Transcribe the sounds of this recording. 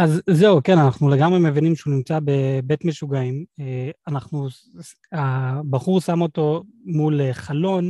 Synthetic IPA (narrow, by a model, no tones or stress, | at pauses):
ʔazːeuke̞nanaχnuleɡamʁeme̞vinimʃeunimt͡sabe̞be̞t̪me̞ʃuɡaimeanaχnu | abaχuʁsamo̞to̞muleχalo̞n